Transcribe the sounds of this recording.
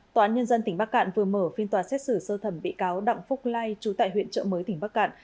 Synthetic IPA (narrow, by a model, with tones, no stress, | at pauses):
tt̪wːʔaː˨˦nɲə˧nzə˧nt̪ï˧˩ŋ̟ɓaː˦˥k̚ːa̰ː˧˨nvɨ˨˩əməː˧˩fi˧ənt̪waː˨˦sɛ˦˥t̚sɨ˧˩səː˧t̪ʰə˧˩mɓḭ˧˨kaː˨˦wɗa̰˧˨wŋ͡mfʊ˦˥k͡p̚laː˧jt͡ɕu˨˦t̪a̰ː˧˨jɦwḭ˧˨ənt͡ɕə̰˧˨məː˨˦jt̪ï˧˩ŋ̟ɓaː˦˥k̚ːa̰ː˧˨n